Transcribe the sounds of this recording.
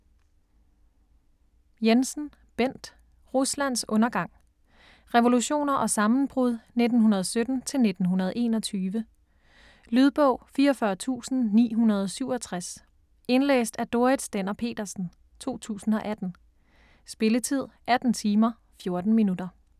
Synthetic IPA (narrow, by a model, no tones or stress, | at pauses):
jensn̩ | b̥en̰d̥ | ʁuslæn̰sɔ̽nɐɡ̥ɑ̈ŋ̰ | ʁɛʋo̝luɕo̝̰ːnɐʔɒ̽sɑ̈mn̩b̥ʁuðˠne̝d̥n̩ɦunɐð̞ˠsød̥n̩t͡sʰe̝lne̝d̥n̩ɦunɐðˠe̝̰ːnɒ̽t͡sʰyːʋə | lyð̞ˠb̥ɔ̽ʊ̰fiːɐɒfɶɐt͡sʰṵːsn̩nḭːɦunɐð̞ˠɒsyʊ̰ɒ̽t͡sʰʁas | e̝nlḛːsd̥æɐd̥o̝ɐid̥sd̥enɐpʰe̝̰ːd̥ɐsn̩ | t͡sʰo̝̰ːt͡sʰṵːsn̩ɒ̽ʔæd̥n̩ | sb̥e̝lət͡sʰið̞̰ˠʔæd̥n̩t͡sʰiːmɐ | fjo̝ɐd̥n̩minud̥ɐ